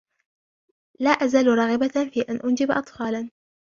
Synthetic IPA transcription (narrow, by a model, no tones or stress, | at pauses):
laːʔazaːlɾˤɑːɣɪbafiːʔanʔʊnd͡ʒɪbʔɑ̰t̪ˤfɑːlan